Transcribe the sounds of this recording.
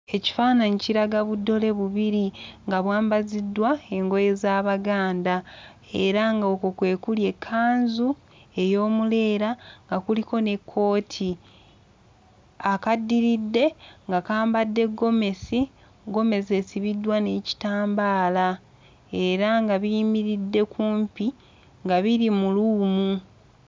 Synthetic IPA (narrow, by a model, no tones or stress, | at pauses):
e̞ci̥faːnaɲiciɾaɡaβudːo̞le̞βuβiɾiŋɡaβwaːmbazidːwae̞ŋɡo̞je̞zaːβaɡaːnda | e̞ɾaŋɡaokokwe̞ːkulje̞kʰːaːnzu | e̞jo̞ːmule̞ːɾaŋɡakuliko̞ne̞kʰːo̞ːtʰi | akadːiɾidːe̞ŋɡakaːmbadːe̞ɡːo̞me̞si | ɡo̞me̞s̬e̞siβidːwane̞ːci̥taːmbaːla | e̞ɾaŋɡaβiːmiɾidːe̞kʰuːmpi | ŋɡaβiɾimuluːmu